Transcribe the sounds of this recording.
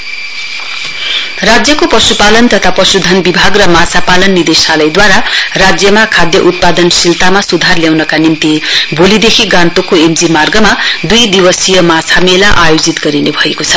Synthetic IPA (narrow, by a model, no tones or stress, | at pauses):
rad͡zjʌkopʌsupalʌnt̪ʌt̪ʰapʌsud̪ʱʌnbibʱaɡrʌmat͡sʰapalʌnːid̪esalʌjd̪waɾarad͡zjʌmakʰad̪jʌʔut̪̚pad̪ʌnsilt̪amasud̪ʱarljawnʌkanimt̪ibʱolid̪ekʰiɡãnt̪okoemd͡zimarɡʌmad̪ujd̪ibʌsijʌmat͡sʰamelaʔajod͡zit̪ɡʌɾinebʱʌekot͡sʰʌ̥